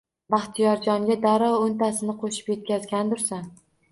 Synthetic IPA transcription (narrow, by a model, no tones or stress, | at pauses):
baχt̪ʰijɒɾd͡ʒɒŋɡʲad̪aɾɒʊnt̪asɪnɪqʰoʃɪ̥pje̞t̪̚kʲazɡʲand̪ʊɾsan